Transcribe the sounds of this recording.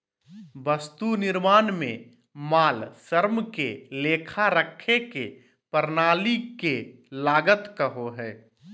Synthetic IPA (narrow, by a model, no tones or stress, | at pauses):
bəst̪unɪɾmaːnmẽ | maːlsəɾmkeleːkʰaɾəkʰeke | pəɾnaːlikelaːɡət̪kəɦoɦɛː